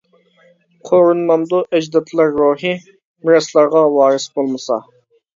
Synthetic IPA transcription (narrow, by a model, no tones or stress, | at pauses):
qʰoɾunmɑmd̪ʊʔɛd͡ʒd̪ɑt̪ʰlˠɑɾːoɦɨ | mɪɾɑslˠɑɾʁɑwɑːɾɨsbolˠmɨsɑ̰